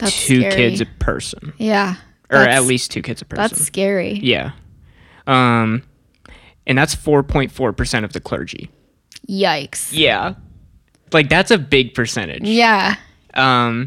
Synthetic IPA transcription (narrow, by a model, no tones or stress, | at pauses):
ðættʰʉkʰɪdzʌv̥pʰɜ̰˞sə̃n̩jæ | ʔə˞ɨtˡlistʰʉkʰɪdz̥ʌv̥pʰɜ̰˞æssnkɛɹijæ̰ | ʔʌ̃m | ʔɨ̃nðætsfɔɹpʰɔ̃ɪ̃ntfɔɹpʰə˞sɛ̃ɾ̃ʌvðɨkʰl̥ɜ̰˞d͡ʒḭ | jaɪksjjæ̰ | laɪk̚ðætsɨbɪɡ̚pʰə˞sɛ̰̃ɾ̃ɪ̰d̥ʒjæ | ʔʌ̃m